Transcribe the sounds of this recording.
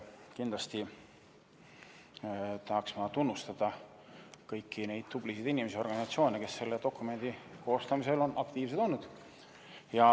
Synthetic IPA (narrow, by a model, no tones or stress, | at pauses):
kind̪lɑst̪i | t̪ɑhɑksmɑt̪unːust̪ɑd̪̥ɑ | kɤjkːine̞jd̪̥t̪ublisid̪inimes̬eo̞rɡ̥ɑnisɑt̪sio̞ːneke̞sːe̞lːe̞d̪o̞kˑːume̞nd̪̥iko̞ːst̪ɑmise̞lo̞nʔɑkt̪iːvs̬et̪o̞nːud̪̥ | jɑ